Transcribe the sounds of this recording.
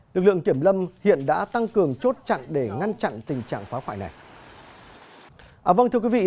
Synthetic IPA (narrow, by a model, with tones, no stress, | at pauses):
lɨ˨˩k̚lɨ̰˧˨əŋt̪i˧˩əmlə˧mhḭ˧˨ənɗa̰ː˧˥t̪a˧ŋkɨ˨˩əŋt͡ɕo˦˥t̚t͡ɕa̰˧˨nɗe˧˩ŋa˧nt͡ɕa̰˧˨nt̪ï˨˩ŋ̟t͡ɕa̰ː˧˨ŋfaː˨˦xwa̰ː˧˩jna˨˩j | ʔaː˨˩və˧nt̪ɨ˧ə˧kwi˨˦vḭ˧˨